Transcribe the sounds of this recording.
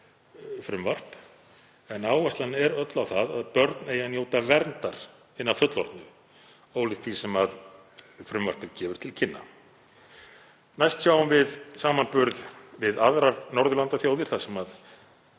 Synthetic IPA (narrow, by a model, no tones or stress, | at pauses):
fɾʏmvar̥p | ɛnaːwɛst̪lanɛɾœt̪lawθaða̰ðpœɾt̪neːjanjoːwt̪avɛɾnt̪aɾ̥ | ɪnːavfœt̪lɔ̰ɾt̪nʏ | oːwlɪt̪θisɛmað | fɾʏmva̰r̥pɪɾcɛːvʏɾ̥t̪ʰɪlcʰɪnːa̰ | najst̪sjaːwʏmvɪðsaːmanpʏɾðvɪðaðɾanɔɾðʏlant̪aθjaːwðɪɾ̥θasɛmað